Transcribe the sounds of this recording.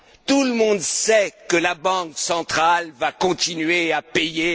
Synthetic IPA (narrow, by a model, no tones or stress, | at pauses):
t̪uləmɔ̃d̪sɛkəlabɑ̃ksɑ̃t̪χalvakɔ̃t̪inɥeapeje